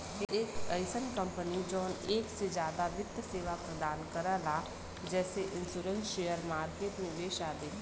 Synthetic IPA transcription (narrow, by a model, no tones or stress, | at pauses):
eːkəɪsənkə̃mpənid͡ʒɔːneːksed͡ʒjaːd̪aʋɪt̪ːseːʋapɾəd̪aːnkəɾalaː | d͡ʒɛːseʔɪ̃nsuːɾə̃nsʃeːjəɾmaːɾkeːʈmẽʋeːʃaːd̪i